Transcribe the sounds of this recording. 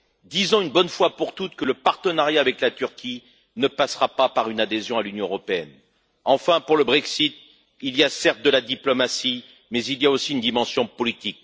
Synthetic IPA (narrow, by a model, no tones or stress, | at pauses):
d̪izɔ̃ynbɔnfwapuʁt̪ut̪kələpaʁt̪ənaʁjaːvɛklat̪yʁkʲʰi | nəpasʁapapaʁynad̪ezjɔ̃alynjɔ̃øʁɔpeɛn | ɑ̃fɛ̃puʁləbʁɛksit̪̚ | ilijasɛʁt̪̚d̪əlad̪iplɔmasi | mɛzilijaosiynd̪imɑ̃sjɔ̃pɔlit̪ik̚